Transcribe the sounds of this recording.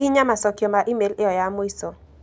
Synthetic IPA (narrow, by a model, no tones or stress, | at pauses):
iɲamasɔkjɔmaɾʔimelɪɔjamoiso